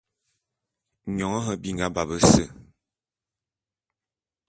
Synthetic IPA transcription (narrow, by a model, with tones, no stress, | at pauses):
ɲɔ˨ŋɔ˦ɦə˦bi˦ŋɡa˦ba˨bə˦sə˦˨